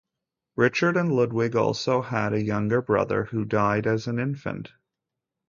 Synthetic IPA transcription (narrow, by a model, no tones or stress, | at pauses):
ɹɪt͡ʃə˞ɾɨ̃nlʊd̚wɪɡɔ̰lˠsoʊəɾɨjʌ̃ŋɡə˞bɹʌ̰ðə̰˞hudaɪɾɨz̃n̩ɪ̃ɱfɨ̰̃nt